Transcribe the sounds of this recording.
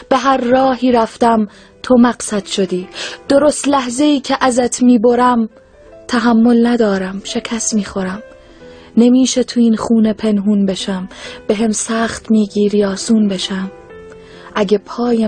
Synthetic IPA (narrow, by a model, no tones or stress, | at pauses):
b̥e̞ɦæɾːɒːɦiːɾæft̪æm | t̪ʰomæɢsæd̪̥ʃo̞d̪iːd̪̥o̞ɾo̞st̪læhzeiːcʰeʔæzæt̪ʰmiːbo̞ɾæm | t̪ʰæɦæmːo̞lnæd̪ɒːɾæmʃe̞cʰæst̪miːxo̞ɾæm | ne̞miːʃet̪ʰuinχuːne̞pʰe̞nɦuːnbe̞ʃæmbeɦemsæːχt̪miːɡiːɾijɒːsuːnbe̞ʃæm | ʔæɟepʰɒːje